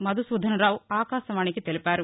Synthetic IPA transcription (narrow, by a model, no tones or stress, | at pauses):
mɐd̪usuːd̪ʱɐnɐɾaːwaːkaːʃɐʋaːnikit̪elipaːɾu